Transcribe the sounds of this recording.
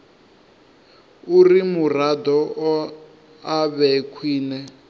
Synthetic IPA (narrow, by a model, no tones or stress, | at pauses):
urimurad̪ɔ | aβɛkʰwiːnɛ